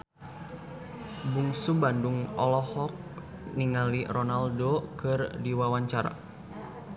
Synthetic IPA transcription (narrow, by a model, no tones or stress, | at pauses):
buŋsubanduŋɔ̰lɔhɔk̚ | niŋalirɔnaldokɨrdiwawaɲt͡ʃaɾa̰